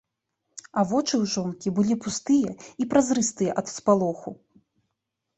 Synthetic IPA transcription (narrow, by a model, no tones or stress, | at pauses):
avɔt͡ʂɨwʐɔnkʲibɨlʲipust̪ɨjɐipɾazɾɨst̪ɨjɐʔɐt̪spalˠɔxu